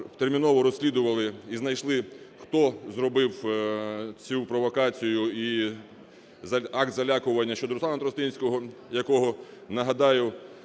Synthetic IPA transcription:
t̪ermʲinɔʋɔɾɔsʲlʲid̪ʊʋɐlˠɪiznɐjʃlˠɪxt̪ɔzrɔbɪw | t͡sʲupɾɔʋɔkɑt͡sʲijʊi | zɐɑk̚t̪zɐlʲakʊʋɐnʲːɐʃt͡ʃɔd̪ɔɾʊsˠɑnɐt̪ɾɔst̪inʲsʲkɔɦɔjɐkɔɦɔnɐɦɐd̪ɑjʊ

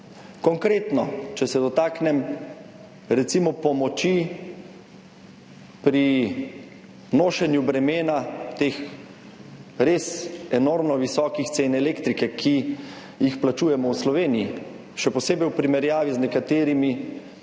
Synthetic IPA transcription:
kɔŋkɾeːt̪nɔt͡ʃɛsɛd̪ɔt̪aːknɛm | ɾɛt̪simɔpɔmɔt͡ʃi | pɾi | noːʃɛnjubɾɛmeːnat̪eːx | ɾeːsɛnoɾmnɔʋisɔːkixt̪seːnɛleːkt̪ɾikɛkʰi | jixplat͡ʃuːjɛmɔwslɔʋeːniji | ʃɛpɔseːbɛjwpɾimɛɾjaːʋiznɛkat̪eːɾimi

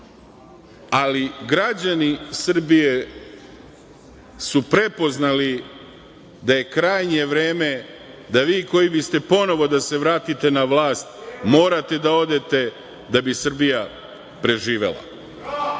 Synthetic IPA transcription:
aliɡɾad͡ʑanisr̩bije̞ | supɾe̞po̞znali | d̪aje̞kɾaːjɲe̞ʋɾeːme̞d̪aʋiːko̞jibist̪e̞po̞no̞ʋo̞d̪ase̞ʋɾaːt̪it̪e̞naʋlaːst̪mo̞ːɾat̪e̞d̪ao̞d̪e̞t̪e̞ | d̪abisr̩bija | pɾe̞ʒiːʋe̞̰lˠa̰

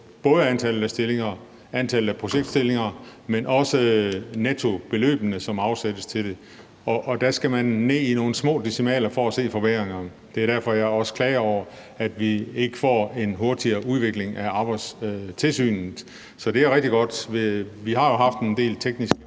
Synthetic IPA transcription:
b̥ɔ̽ːð̞ˠəænt͡sʰælð̩ˠæsd̥e̝le̝ŋɐ | ænt͡sʰælð̩æpʰʁo̝ɕeɡ̥̚d̥sd̥e̝le̝ŋɐmenʔɒ̽sənet͡sʰo̝b̥e̝lø̰ːb̥ənəsɒ̽mɑ̈ʊsed̥əst͡sʰe̝ld̥e̝ | ɒʔɒ̽d̥æsɡ̥æmænːe̝̰ːino̝ːn̩smɔ̰̽ːd̥isimɛ̰ːlɐfɒæse̝̰ːfɒ̽b̥eɐ̰ʁeŋɐ | d̥e̝æɐɾ̥æɐ̰fɒ̽jɑ̈ɪɒ̽sə̥kʰlɛːɒʊ̰ɐ | æd̥ʋie̝ɡ̥əfɒ̰ːe̝nɦo̝ɐd̥iɐːʔuðˠʋe̝ɡ̥le̝ŋʔæɑ̈ːb̥ɑɪd̥st͡sʰe̝lsy̰ːn̩ | sɒ̽d̥e̝æɐʁɛɡ̥̚d̥iɡ̥ɒ̽d̥ʋeʋiɦɑ̈jo̝ɦɑ̈fd̥end̥e̝̰ːlt͡sʰeɡ̥nisɡ̥ə

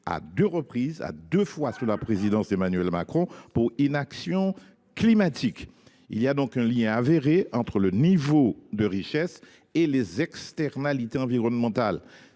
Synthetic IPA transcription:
a̰d̪øʁəpχiza̰d̪øfwasulapχezid̪ɑ̃semanɥɛlmakχɔ̃puʁynaksjɔ̃ | klimat̪ʰik | ḭliad̪ɔ̃kɛ̃ljɛ̃aveʁeɑ̃t̪χʁələnivod̪əʁiʃɛs | elezɛkst̪ɛʁnalit̪eɑ̃viʁɔnmɑ̃t̪al

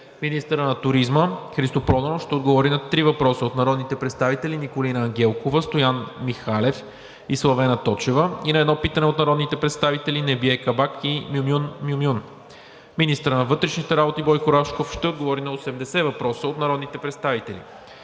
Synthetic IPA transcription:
minist̪əɾənɐt̪ʊɾizməxɾist̪opɾɔd̪ɐnofʃt̪ɛod̪ɡovɔɾinɐt̪ɾivɐpɾɔsəot̪nɐɾɔd̪nit̪ɛpɾɛt̪st̪avit̪ɛlinikolinəːŋɡ̟ʲɛlˠkovəst̪ojanmixalɛf | islˠɐvɛnɐt̪ɔt͡ʃɛvəinɐɛd̪nɔpit̪ɐnɛot̪nɐɾɔd̪nit̪ɛpɾɛt̪st̪avit̪ɛlinɛbiɛkɐbakʰimumunmumjun | minist̪əɾənɐvɤt̪ɾɛʃnit̪ɛɾabot̪ibɔjkoɾaʃkofʃt̪ɛod̪̚ɡovɔɾinɐosɛmd̪ɛsɛvɐpɾɔsəot̪nɐɾɔd̪nit̪ɛpɾɛt̪st̪avit̪ɛlḭ

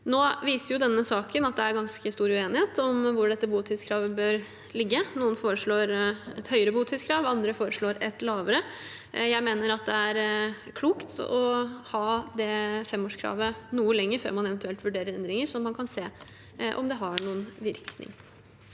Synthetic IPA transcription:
noːʋiːsəɾjʊd̪ɛnːəsɑːkənɑt̪̚d̪ɛæɾɡɑnskəst̪uːɾʉeːnɪheːt̪ɔmʋʊɖɛt̪ːəbuːt̪ʰɪt̪skʰɾɑːʋəbøːɾ | lɪɡːənuːənfoːɾəʂɭoːɾɛt̪hœʏəɾəbuːt̪ʰɪskʰɾɑːʋɑnd̪ɾəfoːɾəʂɭoːɾɛt̪lɑːʋəɾə | jæɪmeːnəɾɑt̪̚d̪ɛæɾkʰluːkt̪ɔ̰hɑːd̪ɛfɛmːoːʂkʰɾɑ̰ːʋənuːəlɛŋːəɾfø̰ːɾmɑnɛʋɛnt̪ʰʉɛlt̪ʋʉɖeːɾəɾɛnd̪ɾɪŋəɾsɔmːɑnkʰɑnseː | ʔɔ̰md̪ɛɦɑɳuːənʋɪɾknɪ̰ŋ

